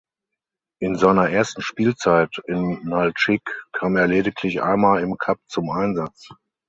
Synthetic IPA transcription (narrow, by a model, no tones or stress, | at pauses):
ʔɪnzaɪnɐʔeːɐstn̩ʃpiːlt͡saɪtɪnːalt͡ʃɪkkʰːaːmeːɐleːdɪkʰlɪçʔa̰ɪnmaːlɪmkʰap̚t͡sʊmʔaɪnzat͡s